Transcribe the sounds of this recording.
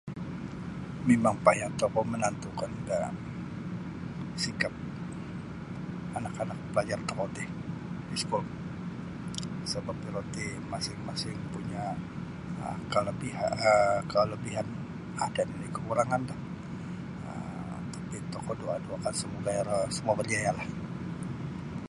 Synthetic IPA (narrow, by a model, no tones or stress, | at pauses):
memaŋpajaŋt̪okɔmənant̪ukanda | sikap̚ | anakanak̚pəlad͡ʒart̪əkot̪ɪhdisku | səbapiɾot̪i | masɪŋmasɪŋpuɲa | ə̰kaləbiaəkaləbiɦan | adandikəkuɾaŋandah | ə̰m | t̪ḁpit̪okodoaduakansəmoɡajəsəmuabərd͡ʒajalah